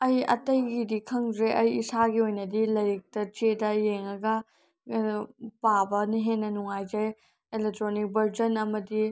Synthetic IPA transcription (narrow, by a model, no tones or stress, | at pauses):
ɐjɐ̰tɐjɡidikʰɐŋzɾeʔɐjisaɡiojnɐdilɐɾik̚tɐt͡ʃedɐjeŋɐɡɐ | pabɐniɦenːɐnuŋajd͡ʒɐj | elek̚tɾonik̚bɐɾd͡ʒɐnɐmɐdi